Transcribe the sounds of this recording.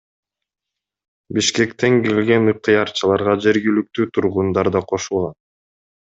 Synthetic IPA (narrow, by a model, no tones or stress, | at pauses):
biʃke̞kt̪e̞ŋkelɡe̞nɯq̚t̪ʰɨjɑɾt͡ʃɯlˠɑɾʁɑd͡ʒe̞ɾɡilyk̚t̪yːt̪ʰuɾʁund̪ɑɾd̪ɑqʰo̞ʃulˠʁɑn